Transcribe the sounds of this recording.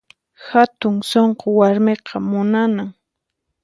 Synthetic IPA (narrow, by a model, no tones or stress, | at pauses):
xat̪ʊŋsoɴqowaɾmeqʰɑmʊnanaŋ